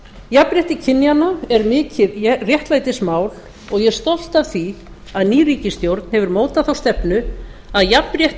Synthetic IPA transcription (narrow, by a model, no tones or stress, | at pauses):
japɾjɛht̪ɪcʰɪnːjanaɛɾmɪːcɪðrjɛht̪lajt̪ɪsmaːwl | ɔɣjɛ̥st̪ɔl̥t̪avθi | aðniːriːcɪst̪jowɾt̪n̥hɛvʏɾmoːwt̪aθawst̪ɛpnʏaðjapɾjɛht̪